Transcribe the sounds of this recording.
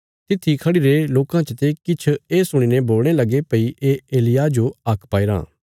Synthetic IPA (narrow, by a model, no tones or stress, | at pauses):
t̪ɪt̪ʰːikʰɐɽiɾeloːkãt͡ʃət̪ekɪt͡ʃʰeːsʊɽ̃ineboːlɽ̃elɐɡepɐiʔeːeːlɪjad͡ʒoɐkʰpaːiɾã̰ː